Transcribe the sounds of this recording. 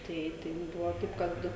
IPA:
ˈtɐɪ tɐɪ mʊm ˈbʊʋoː ˈtɐɪp ˈkɐt

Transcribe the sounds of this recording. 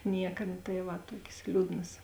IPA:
ˈnʲiɛkɐ nʊ tɐɪ ˈʋɐ ˈtuɔkʲeːs ˈlʲuːdnɐs

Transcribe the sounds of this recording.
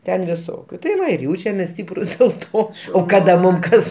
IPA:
ˈtʲɛn ʋʲɪˈsoːkʲʊ tɐɪ ˈʋɐ ɪr ˈjɛʊt͡ʃʲɛmʲeːs ˈsʲtʲiːprʊs dʲeːlˠ ˈtoː oː ˈkɑːdɐ ˈmʊm ˈkɐs

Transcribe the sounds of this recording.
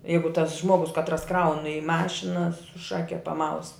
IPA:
ˈjɛɪɡʊ tɐs ˈʒmoːɡʊs kɐtˈrɐs ˈkrɐʊn ɪ ˈmɑːʃʲɪnɐ sʊ ˈʃɑːkʲɛ pɐˈmɐʊs

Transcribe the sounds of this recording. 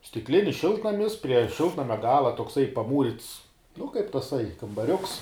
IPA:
sʲtʲɪkˈlʲɪnʲɪs ˈʃʲɪlˠtnɐmʲɪs pʲrʲiɛ ˈʃʲɪlˠtnɐmʲɛ ˈɡɑːlˠɐ toːkˈsɐɪ pɐˈmuːrʲɪts nʊ kɐɪp tɐˈsɐɪ kɐmbɐˈrʲʊks

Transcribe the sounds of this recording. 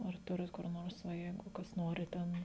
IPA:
ɐr ˈtʊrʲɪt kʊr ˈnoːrs ʋɐ ˈjɛɪɡʊ ˈkɐs ˈnoːrʲɪ ˈtʲɛn

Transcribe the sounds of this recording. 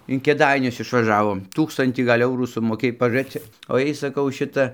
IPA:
ɪn kʲeːˈdɐɪnʲʊs ɪʃʋɐˈʒɑːʋoːm ˈtuːkstɐnʲtʲiː ˈɡɐlʲ ˈɛʊruː sʊmoːˈkʲeːj pɐʒʊˈrʲeːt͡s t͡sʲɪk oː ˈjɛɪ sɐˈkɐʊ ˈʃʲɪtɐ

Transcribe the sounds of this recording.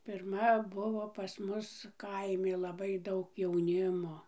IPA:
pʲɪrˈmɐ ˈbʊʋoː pɐs ˈmʊs ˈkɐɪmʲɪ lˠɐˈbɐɪ ˈdɐʊk jɛʊˈnʲɪmoː

